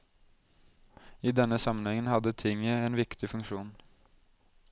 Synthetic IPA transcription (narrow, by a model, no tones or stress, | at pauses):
iːd̪ɛnːəsɑmənhɛŋənhɑd̪ət̪ʰɪŋəeːnʋɪkt̪ʰɪfʉŋʃuːn